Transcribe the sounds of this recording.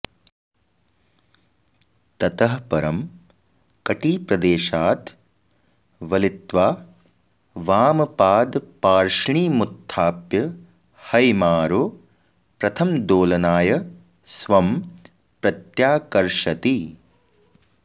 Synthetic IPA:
t̪ɐt̪ɐɦɐpɐɾɐm | kɐʈiːpɾɐd̪eːʃaːt̪ | ʋɐlit̪ʋaː | ʋaːmɐpaːd̪paːɾʂɳiːmut̪ʰːaːpjɐ | hɐjmaːɾo | pɾɐt̪ʰɐmd̪oːlɐnaːjɐ | sʋɐm | pɾɐt̪jaːkɐɾʂɐt̪i

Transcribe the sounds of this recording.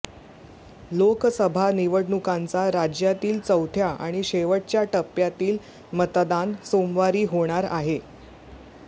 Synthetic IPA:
loksəbʱaniʋəɽɳukant͡saɾad͡ʑjat̪iːlt͡səwt̪ʰjaʔa̰ɽ̃iɕeʋəʈ̚t͡ɕjaʈəpjat̪iːl | mət̪d̪ansomʋaɾiːɦoɽ̃aɾaɦe

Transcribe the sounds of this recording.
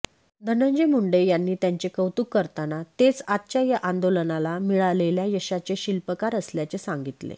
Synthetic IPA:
d̪ʱənəɲd͡ʑemuɳɖəjanːiːt̪jaɲt͡ɕekəwt̪ukːəɾt̪anat̪et͡sat̪ɕajaʔand̪olənalamiɭaleljajəɕat͡seɕilpəkaɾəsljat͡sesaŋɡit̪lḛ

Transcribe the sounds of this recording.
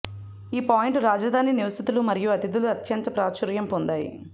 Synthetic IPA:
iːpaːjiɳʈɾaːd͡ʒɐd̪ʱaːniniʋɐsit̪ulumɐɾijuɐt̪id̪uluɐt̪jɐnt̪ɐpɾaːt͡ʃɐɾjɐmpond̪aːjḭ

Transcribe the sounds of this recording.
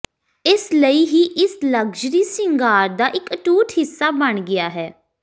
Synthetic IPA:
ɪsləiːɦiːʔɪsləɡd͡ʒɾiːsɪŋɡaːɾd̪aːʔɪkəʈuːʈhɪsːaːbəɳɡɪaːɦɛː

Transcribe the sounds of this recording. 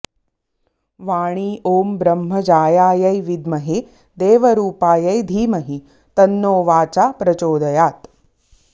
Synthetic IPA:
ʋaːɳ̃iːʔoːmbɾɐmɦɐd͡ʒaːjaːjɐjʋid̪mɐɦe | d̪eːʋɐɾuːpaːjɐjd̪ʱiːmɐɦi | t̪ɐnːoːʋaːt͡ʃaːpɾɐt͡ʃoːd̪ɐjaːt̪

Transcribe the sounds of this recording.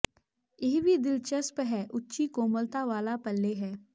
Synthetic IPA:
jɪːɦbʱid̪ɪlt͡ʃəspɦɛːʔʊtːʃikoːməlt̪aʋaːlapɐlːeɦɛː

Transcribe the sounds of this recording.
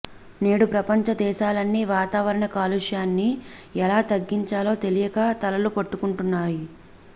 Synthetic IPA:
ne̞ːɽupɾɐpɐɲt͡ʃɐd̪ɛːʃaːlɐnːiːʋaːt̪aːʋɐɾɐɳɐkaːluʂjaːnːiɛlaːt̪ɐɡːiɲt͡ʃaːlo̞ːt̪e̞lijɐɡaːt̪ɐlɐlupɐʈːukuɳʈunːaːji

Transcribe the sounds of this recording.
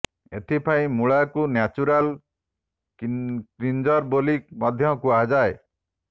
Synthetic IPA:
et̪ʰipʰaĩmuɭakunjat͡ʃuɾal | kɾind͡ʒɔɾbolikmɔd̪ʱjɔkuad͡ʒae

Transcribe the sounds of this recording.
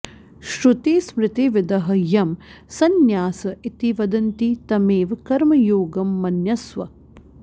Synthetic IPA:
ʃɾut̪esmɾɪt̪iʋɪd̪ɐɦɐjɐmsɐnjaːsɐit̪iʋɐd̪ɐnt̪it̪ɐmeːʋkɐɾmɐjoːɡɐmːɐnjɐsʋɐ̰

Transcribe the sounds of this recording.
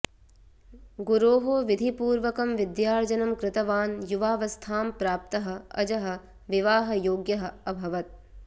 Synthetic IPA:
ɡuɾoːɦoːʋid̪ʱipuːɾʋɐkɐmʋɪd̪jaːɾd͡ʒɐnɐmkɾɪt̪ɐʋaːnjuʋaːʋɐst̪ʰaːmpɾaːp̚t̪ɐɦɐ̆ɐd͡ʒɐɦɐ̆ | ʋiʋaːɦɐ̆joːɡjɐɦɐ̆ɐbʱɐʋɐt̪̚

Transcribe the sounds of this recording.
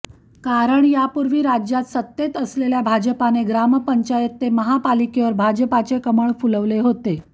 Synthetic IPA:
kaɾəɳjapuɾʋiːɾad͡ʑjat̪sət̪ːet̪əsleljabʱad͡ʑəpaneɡɾaməpəɲt͡ɕajet̪ːeməɦapalikeʋəɾbʱad͡ʑəpat͡sekəməɭfuləʋleɦot̪e

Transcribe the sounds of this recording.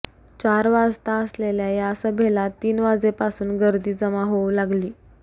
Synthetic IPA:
t͡ɕaɾʋad͡zt̪aəsleljajaəsəbʱelat̪iːnʋad͡zepasuːnɡəɾd̪iːd͡zəmaɦowlaɡliː

